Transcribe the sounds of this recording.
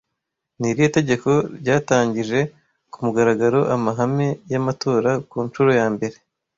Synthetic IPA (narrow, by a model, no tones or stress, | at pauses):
niɾijote̞ɟe̞ko̞ɾɟaːtaːɲɟiʒe̞ | kumuɡaɾaɡaɾo̞ʔamaɦame̞jamatʰo̞ːɾakuːnt͡ʃuɾo̞jaːmbe̞ɾe̞